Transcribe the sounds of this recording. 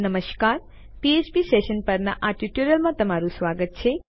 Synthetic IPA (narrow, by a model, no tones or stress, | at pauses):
nəməʃkaːɾ | piet͡ʃbiseʃənpəɾna̰ʔaʈiʈuɾjəlmãt̪ɐmaɾusʋaːɡət̪̚t͡ʃʰe